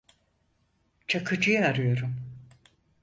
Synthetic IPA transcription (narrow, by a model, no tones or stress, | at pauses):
t͡ʃʰakʰɯd͡ʒɯjaaɾɯjo̞ɾum